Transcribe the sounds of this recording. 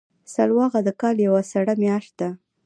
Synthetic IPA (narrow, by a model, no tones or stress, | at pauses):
salwɑɣad̪əkɑljawasaɽamjɑʃt̪̚d̪a